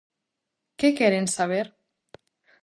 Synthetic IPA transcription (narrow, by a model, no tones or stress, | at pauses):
kekɛɾensaβ̞eɾ